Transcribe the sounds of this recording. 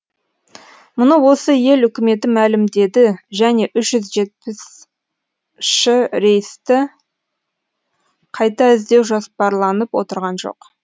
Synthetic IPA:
mʊnəwo̞səje̞lʏkʲɪme̞t̪ɪmælɪmd̪e̞d̪ɪʒæne̞ʔʏʃʒʏzʒe̞t̪̚pɪs | ʃɪɾe̞jɪst̪ɪ | qʰɑjt̪ɑɪzd̪e̞wʒospɑɾlˠɑnəpwo̞̰t̪əɾʁɑnʒo̞̰q

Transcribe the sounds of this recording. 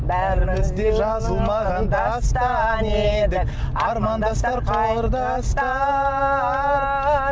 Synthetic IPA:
bæɾɪmɪzd̪e̞ʒɑzəlˠmɑʁɑnd̪ɑst̪ɑned̪ɪ | ɑɾmɑnd̪ɑst̪ɑɾqʰɑlˠəɾd̪ɑ | st̪ɑ

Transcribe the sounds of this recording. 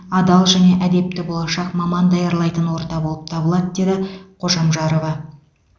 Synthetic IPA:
ɑd̪ɑlˠʒæne̞ʔæd̪e̞p̚t̪ɪbo̞lˠɑʃɑqmɑmɑnd̪ɑjɑɾlˠɑjt̪ənwo̞ɾt̪ɑbo̞lˠəp̚t̪ʰɑbəlˠɑd̪əd̪e̞d̪ɪqʰo̞ʒɑmʒɑɾo̞vɑ

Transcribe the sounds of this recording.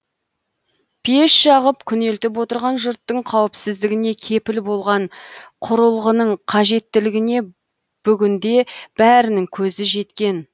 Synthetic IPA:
pʰeʃʃɑʁəpkʲʰʏne̞lt̪ɪp̬wo̞t̪əɾʁɑnʒʊɾt̪ːəɴqʰɑwɪpsɪzd̪ɪɡʲɪne̞kʲʰe̞pɪlbo̞lˠʁɑɴqʰʊɾəlˠʁənəɴqʰɑʒe̞t̪ːɪlɪɡʲɪne̞ | b̥ʏɡʲɪnd̪e̞b̥æɾɪnɪŋkʲʰɵzɪʒe̞t̪kʲe̞n

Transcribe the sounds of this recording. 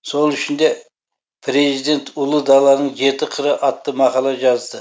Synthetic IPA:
so̞lˠʏʃɪnd̪e̞ | pʰɾe̞zid̪e̞nt̪ʰʊlˠəd̪ɑlˠːɑnəɴʒe̞t̪ɪqʰəɾəʔɑt̪ːəmɑqɑlˠɑʒɑzd̪ə

